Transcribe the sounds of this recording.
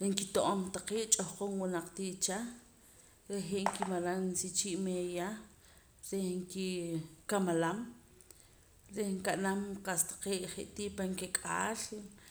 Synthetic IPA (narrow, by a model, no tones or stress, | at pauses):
ɾiŋkit̪oʔomt̪aqiːʔt͡ʃʼohqonwinaq͡χt̪iːʔt͡ʃa | ɾeɦeʔŋkimalannsit͡ʃiːʔmeja | ɾehŋkikamalam | ɾehŋkaʔnamqast̪ḁqeːʔχḛʔt̪iːʔpaŋkekʼaːl